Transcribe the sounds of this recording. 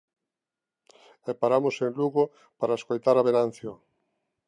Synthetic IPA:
ɛpaɾamoseŋluɣo | paɾaeskojt̪aɾaβenan̟θjo

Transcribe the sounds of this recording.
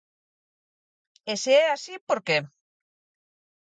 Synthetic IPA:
eseeasipoɾke

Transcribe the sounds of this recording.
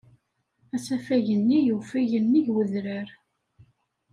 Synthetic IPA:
æsæfæʝənːijufiʝənːiʝwəðɾəɾ

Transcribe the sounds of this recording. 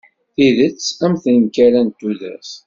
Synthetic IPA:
θiðət͡sːæmθnkːæɾænt̪ːuðæ̰s

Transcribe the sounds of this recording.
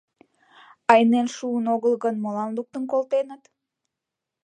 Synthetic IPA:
ɑjnenʃuːnoɣəlˠɣənmolɑnluk̚t̪ənkolˠt̪enət̪

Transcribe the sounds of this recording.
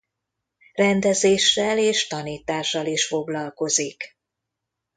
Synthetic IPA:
rɛnd̪ɛzeːʃːɛleːʃt̪ɒniːt̪aːʃːɒliʃfo̞ɡlɒlko̞zik

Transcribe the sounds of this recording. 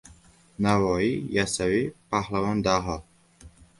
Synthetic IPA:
navɔijasavipʰahlavɔnd̪aɦɔ

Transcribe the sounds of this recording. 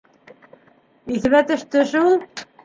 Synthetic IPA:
iθɘβæt̪ɵ̆ʃt̪ɵ̆ʃulˠ

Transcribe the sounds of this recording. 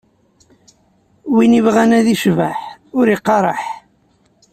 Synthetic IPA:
winivʁænæðiʃvəħʊɾiqːɑɾˤɑħ

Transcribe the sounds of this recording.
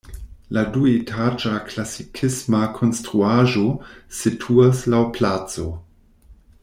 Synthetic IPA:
laduetʰad͡ʒaklasikʰismakʰo̞nstɾuaʒo̞sitʰuaslawplat͡so̞

